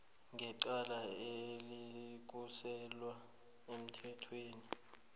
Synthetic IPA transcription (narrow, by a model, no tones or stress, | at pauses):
ŋɡʱɛǃalaelik̬usɛlwa | em̩tʰɛtʰweːni